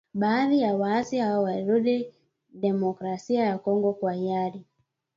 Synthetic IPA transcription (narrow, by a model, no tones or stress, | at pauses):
ɓaːðijawaːsihawɔwaiɾuɗi | ɗɛmɔkɾasiajakɔŋɡɔkwaiaɾi